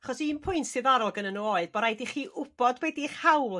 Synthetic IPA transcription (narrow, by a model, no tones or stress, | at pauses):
aχɔsiːmpʰʊɨntsɨðaɾɔlˠɡənənuoɨðb̥ɔɾajdiχiːʔʔʊb̥ɔdwɛdiχhawlˠ